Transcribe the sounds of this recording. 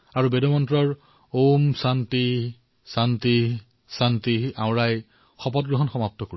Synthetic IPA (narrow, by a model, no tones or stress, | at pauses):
aɹubedɔmɔntɹɔɹ | omsanti | santi | santiã̰w̃ɹaj | xɔpɔt̚ɡɹɔɦɔnxɔmap̚tɔkoɹ